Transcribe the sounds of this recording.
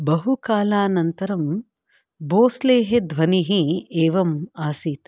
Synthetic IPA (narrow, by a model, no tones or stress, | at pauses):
bɐɦukaːlaːnɐnt̪ɐɾɐm | boːsleːɦed̪ʋɐniɦieːʋɐmaːsiːt̪